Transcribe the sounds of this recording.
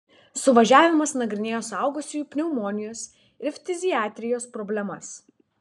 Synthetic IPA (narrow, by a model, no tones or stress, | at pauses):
sʊʋɐʒʲæːʋʲɪmɐsnɐɡɾʲɪnʲeːjoːsɐˑʊɡʊsʲujuːpʲnʲɛʊmɔnʲɪjoːs | ɪɾfʲt̪ʲɪzʲɪjæːt̪ʲɾʲɪjoːspɾɔbʲlʲɛmɐs